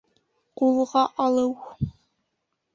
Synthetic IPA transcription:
qulˠʁɑʔɑlˠəw

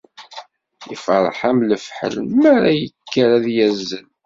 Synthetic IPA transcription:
ifəɾˤħæmləfħə̰lmæɾæjəkːəɾæðjæzːəl

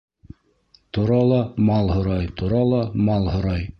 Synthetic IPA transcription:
t̪uɾɑlˠɑmɑlˠhŏɾɑjt̪uɾɑlˠɑmɑlˠhŏɾɑj

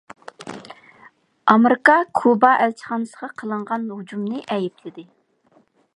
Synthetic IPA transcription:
ɑmɾɪkɑkʰubɑʔɛlt͡ʃʰə̥χɑnɨsəʁɑqʰəlˠəɴʁɑnɦud͡ʒumnɨʔɛjipʰlɪd̪ɪ

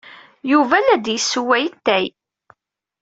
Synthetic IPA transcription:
juvælæd̪jəsːuwæjət̪ːæj

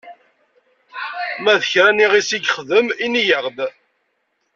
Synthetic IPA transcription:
mæðəçɾæniʁisiɡχəðəminijəʁd̪

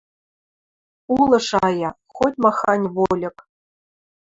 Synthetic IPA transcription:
ulˠɤ̆ʂɑjɑxotʲmɑxɑnʲvolʲɘ̆k

